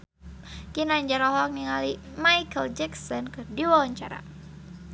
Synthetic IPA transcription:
kinaɲd͡ʒaɾɔɦɔk̚niŋali | majkəld͡ʒɛksɔnkɨrdiwawaɲt͡ʃa̰ɾa̰

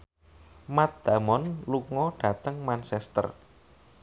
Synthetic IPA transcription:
mat̪̚d̪̥a̤mɔnluŋɔɖ̥a̤t̪əŋmansɛst̪ə̰r

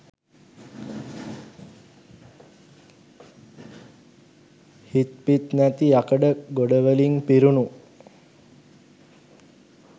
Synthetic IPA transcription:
hit̪pit̪næt̪iakəɖəɡoɖəʋəliŋpiɾunu

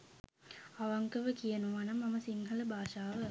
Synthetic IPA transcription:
aʋaŋkəʋəkijɐnuʋanɐmːɐmɐsiŋɦɐləbaːʃaːʋə

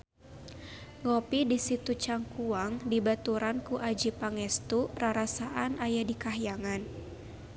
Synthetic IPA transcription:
ŋɔpidisit̪ut͡ʃaŋkuaŋdibat̪uɾankuʔad͡ʒipaŋɛst̪uraɾasaʔanʔajadikaɦjaŋan

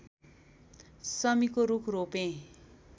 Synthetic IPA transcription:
sʌmikoɾukʰropẽ

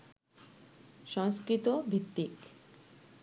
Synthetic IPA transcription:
ʃɔŋskɾit̪obʱit̪ːik

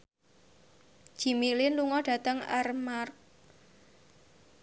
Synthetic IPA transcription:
ʒ̥i̤milɪnluŋɔɖ̥ä̤t̪əŋa̰rmark̚

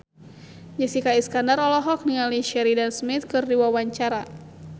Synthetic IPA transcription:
d͡ʒasikaiskandaɾɔlɔɦɔk̚niŋaliʃɛɾidansmit̪̚kɨrdiwawaɲt͡ʃaɾa

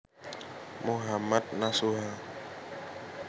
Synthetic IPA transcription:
moɦamat̪̚nasuɦa

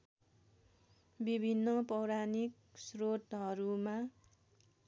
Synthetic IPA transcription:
bibʱinːʌpʌwɾanik̚ | srot̪ɦʌɾuma

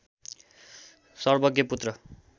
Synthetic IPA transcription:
sʌrbʌɡjʌput̪rʌ

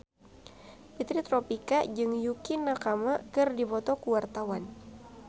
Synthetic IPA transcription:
pit̪ɾit̪ɾɔpikad͡ʒɨŋjukinːakamakɨrdipɔt̪ɔkuwart̪awan

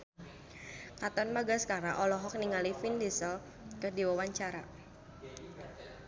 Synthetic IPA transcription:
kat̪ɔnmaɡaskaɾaʔɔlɔɦɔk̚niŋalifindisəl | kərdiwawaɲt͡ʃaɾa̰

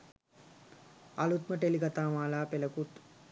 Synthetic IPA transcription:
alut̪məʈelikat̪aːmaːlaːpeləkut̪

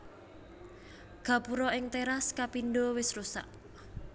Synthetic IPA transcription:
ɡ̥ä̤puɾɔɪŋt̪eɾaskapinɖowɪsrusa̰ʔ

